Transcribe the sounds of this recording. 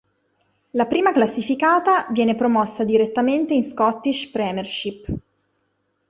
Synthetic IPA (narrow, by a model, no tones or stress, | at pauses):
lapɾiːmaklasːifikaːt̪avjɛːnepɾomɔsːad̪iɾet̪ːament̪einskɔt̪ːiʃpɾɛmerʃipː